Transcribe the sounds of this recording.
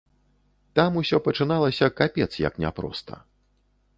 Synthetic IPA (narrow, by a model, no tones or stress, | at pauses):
t̪amusʲɔpɐt͡ʂɨnalˠɐsʲɐkapʲɛt̪sjɐ̰knʲa̰pɾɔ̰st̪ɐ̰